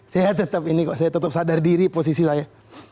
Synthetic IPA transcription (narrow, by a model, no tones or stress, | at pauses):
sajat̪ət̪əp̚inikɔʔsajat̪ət̪əp̚sadardiɾipos̬isisaja